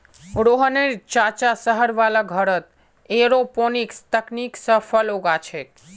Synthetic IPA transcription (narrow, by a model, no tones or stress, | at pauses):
ɾoɦəneɾt͡ʃat͡ʃasəɦəɾʋalaɡʱəɾət̪̚ | eɾoponikst̪əkniksəfʰəloɡat͡ʃʰe